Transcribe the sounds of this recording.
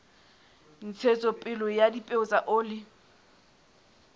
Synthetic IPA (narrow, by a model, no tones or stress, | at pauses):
n̩t͡sʰet͡sʼɔpʼɪlɔjadipʼeʊt͡sʼaʔoːlɪ